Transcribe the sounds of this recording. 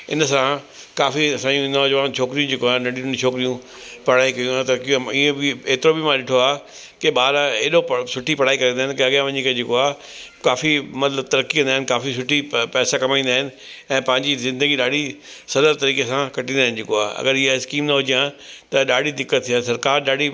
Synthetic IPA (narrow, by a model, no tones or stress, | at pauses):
ɪ̰nəsã | kaːfiɐsãːjũnaːd͡ʒʋaːt͡ʃʰoːkɪɾijũd͡ʑeːkoaːnɐɽijũnt͡ʃʰoːkɪɾijũ | pɐɽ̤aːikɐjũat̪ɐkĩiẽbɪeːt̪ɪɾobimãɗɪʈʰoaː | keɓaːɾaeːɗopsʊʈʰipɐɽ̤aːikɐɾĩːnd̪aːɪnɪkeɐɡjãʋɐ̃ɲĩkʰed͡ʑekoaː | kaːfimɐt̪ləbt̪ɐɾəkːiʋə̃nd̪aːɪnɪkaːfisʊʈʰipɛːsakɐmaːĩːnd̪aːɦɪnɪ̆ | ɛ̃ːpɐ̃ɦɪ̃ɲd͡ʑizɪ̃nd̪əɡiɗaːɽisɐləlt̪ɐɾiːkesãkɐʈĩnd̪aːɦɪnɪd͡ʑeːkoaːɐ̰ɡəɾɪɦaɪskiːmnɐɦʊd͡ʑijãt̪ɐɗaːɽʱid̪ɪkːət̪ʰːijãsɐɾkaːɾɗaːɖʱi